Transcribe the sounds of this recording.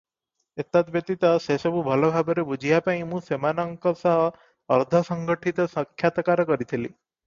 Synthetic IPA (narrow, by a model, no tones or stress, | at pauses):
et̪at̪bjet̪it̪asesɔbʱubʱʌlobʱabɔɾebud͡ʒʱijapaĩmũsemanəŋkɔsaː | ɾd̪ʱəsəŋɡəʈʰit̪ɔsəkʰjat̪əkaɾɔkɔɾit̪ʰilḭ